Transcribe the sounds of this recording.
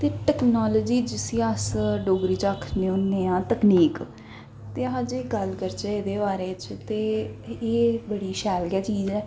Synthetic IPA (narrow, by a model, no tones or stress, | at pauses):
t̪eːʈɛknɔːlɔːd͡ʒiːd͡ʒɪsĩːasɖoːɡɾiːt͡ʃaːkʰnẽːʊnːẽːãːt̪əkniːk | t̪eːãːd͡ʒeːɡəlkəɾt͡ʃɛːɪd̪eːbaːɾeːt͡ʃt̪eːeːbəɽiːʃɛːlɡaːt͡ʃiːd͡ʒɛː